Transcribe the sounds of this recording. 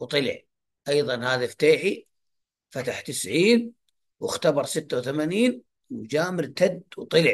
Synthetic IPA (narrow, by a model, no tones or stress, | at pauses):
wt̪ˤɨlɪ̰ʕ | ʔɑjðˤɑnhaːðaft̪aːħi | fat̪aħt̪ɪsʕiːn | wɪxt̪abɑɾˤsɪt̪ːawθamaːniːn | wd͡ʒaːmɪɾt̪ad̪wt̪ˤɨlɪʕ